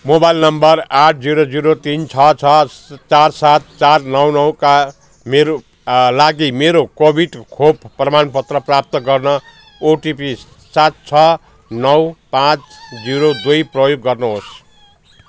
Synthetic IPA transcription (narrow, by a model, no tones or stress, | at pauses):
mobajilnʌmbʌraʈʰd͡ziɾod͡ziɾot̪int͡sʰʌt͡sʰʌt͡sarsat̪̚t͡sarnʌwnʌwka | meɾo | laɡimeɾokobʱiɖkʰobːrʌmanpʌt̪rʌprap̚t̪ʌɡʌrnʌ | oʈipis | sat̪̚t͡sʰʌ | nʌwpãt͡sd͡ziɾod̪ujprʌjoɡːʌrnuɦos